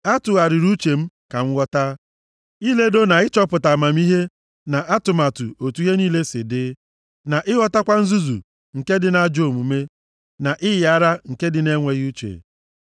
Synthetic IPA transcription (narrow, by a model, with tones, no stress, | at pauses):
a˦tʊ˨a˨ɾɪ˨ɾu˦t͡ʃe˨m̩˦ka˨ŋ̩˦wʷɔ˦ta˦ | i˦le˦do˦na˨ɪ˦t͡ʃɔ˦pʊ˨ta˨ma˨m̩˦i˦ɦe˦ | na˨ʔa˦tʊ˨ma˨tʊ̰˨o˨tu˦ɦe˦niː˦le˦sɪ˨dɪ˦ | na˨ʔɪ˦ɣɔ˦ta˦kʷa˦n̩˦zu˦zṵ˨ | ŋ̩˨ke˦dɪ˨na˦d͡ʒo˨mu˨me˦ | na˨ʔɪ˦ja˦ɾa˦ŋ̩˨ke˦dɪ˨ne˦ŋʷe˨ɣu˦t͡ʃḛ˨